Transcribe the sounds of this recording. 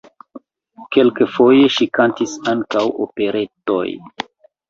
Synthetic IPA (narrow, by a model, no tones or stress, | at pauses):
ke̞lkefo̞je̞ʃikantisaŋkawo̰pe̞ɾe̞to̞̰j